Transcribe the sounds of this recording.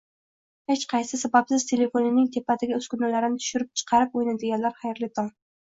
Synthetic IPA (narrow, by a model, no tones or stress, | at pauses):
het͡ʃqʰɑjsɪsabapsɪz̥t̪ʰe̞le̞fonɪnːɪŋt̪ʰepʰːat̪ɪɡʲaɵzkʊnalaɾɪnɪt̪ʰʊ̥ʃʊɾɪp̚t͡ʃʰɨ̥qʰɑɾɪp̚ojnad̪eɡʲanlaɾχɑjɾlɪt̪ʰɒŋ